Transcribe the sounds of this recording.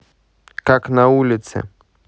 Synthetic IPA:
kaknaulʲit̪sɛ̰

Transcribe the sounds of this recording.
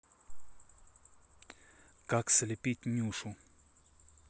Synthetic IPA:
kaksʲlʲɪpʲit̚ʲnʲuʂʊ

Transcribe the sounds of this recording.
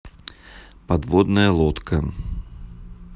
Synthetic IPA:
pad̪vɔd̪nɐjɐlˠɔt̪kʰɐ

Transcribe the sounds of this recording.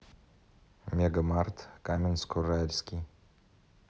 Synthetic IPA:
meɡamart̪kamʲinskoralskʲi

